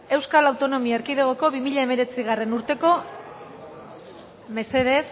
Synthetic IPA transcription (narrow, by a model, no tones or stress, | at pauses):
e̞wskalawt̪o̞no̞miaeɾkiðeɣo̞ko̞βimiʎaeme̞ɾe̞t͡siɣ̞are̞nuɾt̪e̞ko̞ | me̞se̞ð̞e̞s